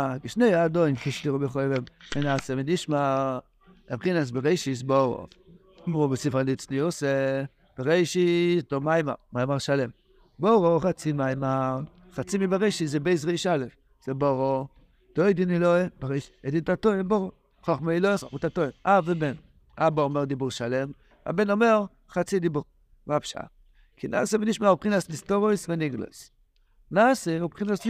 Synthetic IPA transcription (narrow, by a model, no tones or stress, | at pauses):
akiʃnejad̪ojnkiʃtiʁobeχojvemmenaːsemeniʃma | abχinas̬beʁejʃis̬boʁo̰ | mʁubesifanit͡sniose | b̥eʁejʃistomajma̰majmaʁʃalem | boʁoχat͡simajma | χat͡simibeʁejʃizɛbejzʁejʃalef | z̥eboʁo | d̪̥ojd̪iniloebaʁeʃi̥ed̪it̪at̪oemboʁo | χoχmeiloeomut̪at̪oimaveben | aboomeʁd̪ibuʁʃale̞m | a̰benomeʁ | χat͡sid̪ibuʁ | mapʃaa̰ | kʰinʔa̰ːseveniʃmaupχinaslist̪oʁojsveniɡla̰s | naːseubχinas